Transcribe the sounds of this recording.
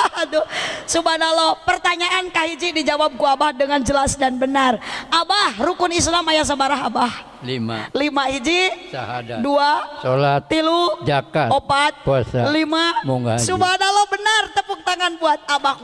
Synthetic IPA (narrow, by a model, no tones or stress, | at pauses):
adosubanalɔpərt̪aɲaʔankaɦid͡ʒidid͡ʒawap̚ɡuabahdəŋand͡ʒəlasdanbənarabahrukʊnis̬namajas̬əbaɾaɦabah | lima̰limahid͡ʒisahadaduasolat̪ːilud͡ʒakaopat̪̚puasalimamuŋɡasubanalɔbənart̪əpuk̚t̪aŋanbuat̪̚abah